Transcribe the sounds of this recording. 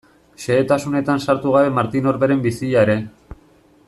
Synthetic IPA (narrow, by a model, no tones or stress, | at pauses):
ʃe̞et̪asune̞t̪ansaɾt̪uɣaβe̞maɾt̪ino̞ɾβe̞ɾe̞mbisiʎaeɾe̞